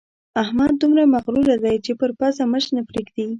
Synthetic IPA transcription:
ahmad̪̚ːumɾamaɣɾuɾad̪ajt͡ʃepəɾpasaməʃnapɾeɡd̪i

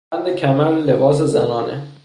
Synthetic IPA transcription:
ænd̪ecʲʰæmællebɒːs̬ezæ̰nɒːnʔḛ

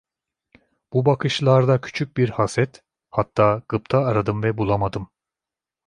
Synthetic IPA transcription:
b̥ubakʰɯʃlˠaɾd̪acʰy̥t͡ʃʰyc̚ʲbiɾhasɛt̪ | hat̪ʰːaːɡɯpt̪ʰaːɾad̪ɯmvɛbulˠamad̪ɯm

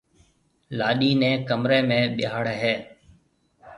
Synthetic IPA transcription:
laːɗiːnẽːkəmɾeːmẽːɓɪjaːɽɦeː

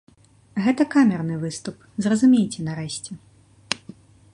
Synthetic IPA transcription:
ɣɛt̪ɐkamʲɛrnɨvɨst̪up | zrɐzumʲejt͡sʲɛnɐɾɛɕʲt͡sʲɛ

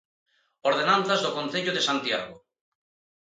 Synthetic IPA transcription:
oɾð̞enãn̟θazðokonθeʎoðesant̪ja̰ɣ̞o

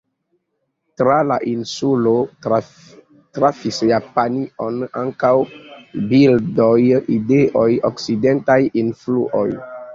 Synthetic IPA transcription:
tɾalaʔinsulo | tɾafisjapaniona̰ŋkawbildojideʔojoksidentajinflṵʔo̰j

